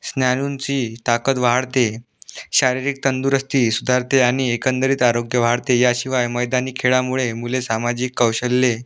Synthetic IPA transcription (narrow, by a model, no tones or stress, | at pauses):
snjanunt͡ɕiːt̪akət̪ʋaɦaɽt̪e | ɕaɾiɾiːk̚t̪ənd̪uːɾəst̪iːsud̪ʱaɾt̪eaɽ̃iekənd̪əɾiːt̪aɾoɡjəʋaaɽt̪ejaɕiʋajməjd̪aniːkʰeɭamuɭemulesamad͡ʑiːkːəwɕəlːe